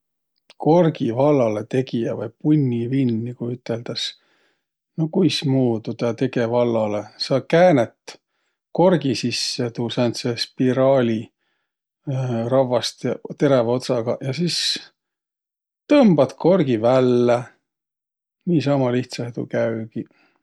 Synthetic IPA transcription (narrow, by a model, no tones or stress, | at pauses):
ko̞rɡivɑlːɑle̞t̪e̞ɡijɑvɑjpunʲːivinːikujyt̪ːˑe̞ld̪̥ɑs | nokujsmuːd̪ud̪̥ɑt̪e̞ɡe̞vɑlːɑle̞sɑkæːnet̪ | ko̞rɡisisːet̪usɑnt̪sespiɾɑːlʲi | rɑvɑst̪jɑt̪e̞ɾevo̞t̪sɑɡ̥ɑ̰jɑsis | t̪ɤmb̥ɑd̪̥ko̞rɡ̥ivælːe | niːsɑmɑliht̪sɑhet̪ṵkæyɡ̥i